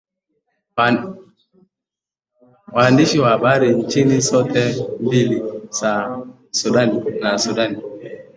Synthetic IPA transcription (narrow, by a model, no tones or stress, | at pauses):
wandiʃiwabaɾint͡ʃinisɔtɛmbilisa | sudaninasudani